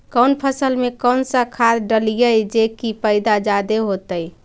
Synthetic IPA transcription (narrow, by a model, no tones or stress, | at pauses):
kənpʰəsəlmekəwnsəkʰad̪ɖəlijəjd͡ʒekipəɪd̪ad͡ʒad̪eɦot̪əj